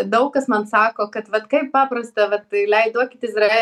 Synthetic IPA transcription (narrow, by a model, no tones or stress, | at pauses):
d̪ɐʊkkɐsmɐnsɑːkoːkɐt̪ʋɐt̪kɐɪppɑːpɾɐst̪ɐʋɐt̪lʲɛɪd̪oɔkʲɪt̪ɪɪszrɐe